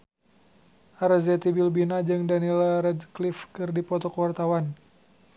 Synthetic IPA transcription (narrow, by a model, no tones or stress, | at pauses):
ʔaɾəzɛt̪ibilbinad͡ʒɨŋdanilɾɛdklifkɨrdipɔt̪ɔkəwart̪awan